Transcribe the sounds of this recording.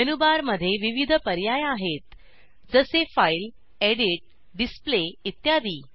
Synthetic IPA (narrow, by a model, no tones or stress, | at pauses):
ənubaɾməd̪ʱːjeʋiʋid̪ʱəpəɾjajaɦet̪ | d͡zəsefajl | eɽiʈ̚ | ɖispleit̪jad̪iː